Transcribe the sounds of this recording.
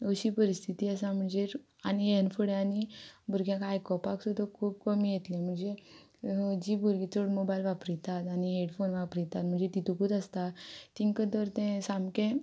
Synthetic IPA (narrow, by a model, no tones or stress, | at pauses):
əɕiːpəɾist̪ʰit̪iːəsam̤əɳd͡zeɾ | aniɛnfəɽeanibʱuɾɡjãkajkɔpaksud̪ʱəkʰuːb̚kəmijet̪lɛ̃m̤əɳd͡ze | d͡ʑibʱuɾɡit͡soɽmobajlʋapɾit̪at̪aniɦeɽfonʋapɾijt̪at̪̚m̤əɳd͡zet̪it̪ũkud̪əst̪at̪iŋkət̪əɾt̪ɛ̃samkɛ̃